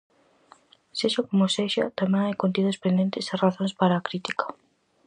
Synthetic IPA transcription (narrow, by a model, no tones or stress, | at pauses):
seʃakomʊseʃɐ̰t̪amẽŋajkont̪̬iðʊspend̪ent̪ɪsaraθõnspaɾaːkɾit̪ikɐ̥